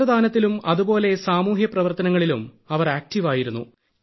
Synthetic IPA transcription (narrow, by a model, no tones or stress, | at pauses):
ɐd̪ʱaːnɐt̪ːilumɐðubo̞ːle̞saːmuːɦjɐprɐʋɐrt̪ɐnɐŋːɐɭilum | ɐʋɐræːk̚tiʋaːjiɾunːu